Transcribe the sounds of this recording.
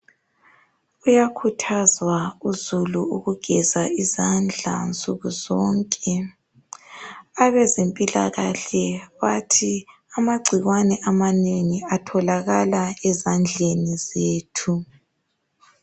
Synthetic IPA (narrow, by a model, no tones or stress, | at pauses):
ujakʰutʰazwauzuluuɣuɡ̥ʱɛzaizand͡ɮʱa̰nt͡sʼuɣuzɔːŋkʼɛ | aβɛzempʼila̰ɣa̰ɬɛβatʰi | amaɡ͡ǀʱiɣwanɛʔamaneŋiatʰɔlaɣalaɛzand͡ɮʱenizeːtʰu